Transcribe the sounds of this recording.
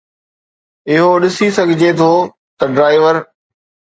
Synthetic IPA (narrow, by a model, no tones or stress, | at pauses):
ɪɦoɗɪsisɐɡʱɪd͡ʑʱet̪ʰoː | t̪ɐɖɾaːɪʋəɾ